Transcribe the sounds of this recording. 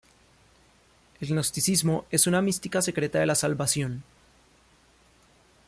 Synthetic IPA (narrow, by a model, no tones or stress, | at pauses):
e̞lnost̪isizmo̞e̞sunamist̪ikase̞kɾe̞t̪aðe̞lasalβasjo̞n